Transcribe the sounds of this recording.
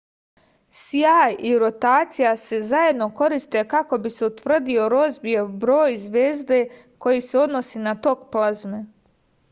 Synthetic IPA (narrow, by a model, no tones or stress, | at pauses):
siajiɾo̞t̪aːt̪sijase̞zaje̞d̪no̞ko̞ɾist̪e̞kako̞bise̞ut̪ʋr̩d̪io̞ɾo̞zbiebɾo̞ːjzʋeːzd̪e̞ | ko̞jise̞o̞d̪no̞sinat̪o̞kplazme